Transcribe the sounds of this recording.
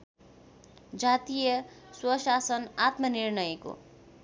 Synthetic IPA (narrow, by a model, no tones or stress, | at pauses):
d͡zat̪ijʌ | swʌsasʌnat̪mʌnirnʌjko̰